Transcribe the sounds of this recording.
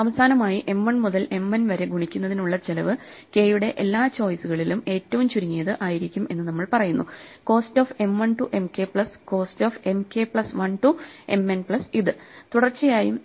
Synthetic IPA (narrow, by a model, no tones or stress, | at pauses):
ɐʋɐsaːnɐmaːjiʔe̞mʋɐɳmuðɐle̞mːɐnʋɐɾeɡuɳikʲːunːɐðinuɭːɐt͡ɕelɐʋɨ | ke̞ːjuɽe̞ʔelːaːt͡ɕo̞ːjsuɣɐɭilume̞ːtːɐʋumt͡ɕuɾiŋːijɐðɨʔaːjiɾikʲːume̞nːɨnɐmːɐɭpɐrɐjunːuko̞ːsto̞ːfe̞mʋɐɳʈuʔe̞mke̞pɭɐsko̞ːsto̞ːfe̞mke̞pɭɐsʋɐɳʈue̞̰mːenpɭɐsiðɨt̪uɽɐrt͡ɕːijaːjṵm